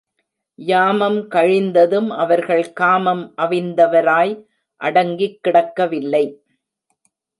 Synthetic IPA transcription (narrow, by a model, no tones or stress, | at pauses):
jaːmɐmkɐɻɪnd̪ɐðɯmʔɐʋɐɾɣɐɭkaːmɐmʔɐʋɪnd̪ɐʋɐɾaːj | ʔɐɽɐŋɡɪkːɪɽɐkːɐʋɪlːɐɪ